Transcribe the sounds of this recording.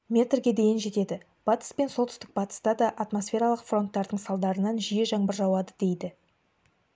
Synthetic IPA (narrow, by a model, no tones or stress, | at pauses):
mʲe̞t̪rɡʲe̞d̪e̞jɪnʒe̞t̪e̞d̪ɪ | b̥ɑt̪ə̥spe̞nsolˠt̪ʏst̪ɪk̚bɑt̪ə̥st̪ɑd̪ɑʔɑt̪mo̞sfʲe̞ɾɑlˠəqfro̞nt̪ːɑɾd̪əɴsɑlˠd̪ɑɾənɑnʒijeʒɑɴbəɾʒɑwɑd̪əd̪e̞jd̪ɪ